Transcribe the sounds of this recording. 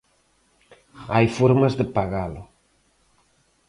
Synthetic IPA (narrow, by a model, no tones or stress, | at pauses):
ajfoɾmazðepaɣalo